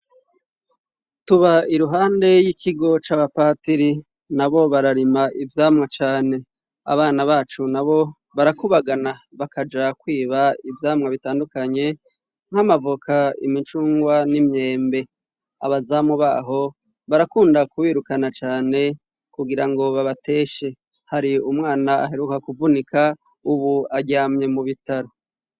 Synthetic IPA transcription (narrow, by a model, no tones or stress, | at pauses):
tuβaiɾuɦaːnde̞jikʰiɡo̞t͡ʃaːβapaːtiɾi | naβo̞βaɾaɾimaʔivjaːmŋat͡ʃaːne̞ | a̰βaːnaβaːt͡ʃunaβo̞ | βaɾakuβaɡanaβakad͡ʒakwiːβaivjaːmŋaβitaːndukaɲe̞ | ŋ̥hamavukʰaḭmit͡ʃuːŋɡwanimɲe̞ːmbe̞ | a̰βazamuβaːɦo̞ | βaɾakuːndakuwiːɾukanat͡ʃaːne̞ | kuɡiɾaŋɡo̞βaβate̞ːʃe̞ | haɾiumŋaːnaa̰ɦe̞ɾukakuvunikʰa | uβuaɟaːmɲe̞muβitaɾo̞